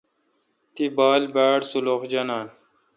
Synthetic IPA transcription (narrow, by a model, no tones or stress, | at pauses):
t̪ibaːlbaːɽsuloxd͡ʑɐnaːn